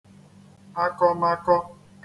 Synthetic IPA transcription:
a˦kɔ˦ma˦kɔ˦ | k

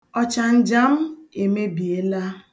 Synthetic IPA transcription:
ɔ˦t͡ʃa˨n̩˦d͡ʒa˦m̩˦e˨me˦bi˨e˦la˦

